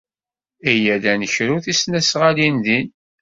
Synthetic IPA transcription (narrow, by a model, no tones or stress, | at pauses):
æjælænəçɾuθisnæsʁalinðin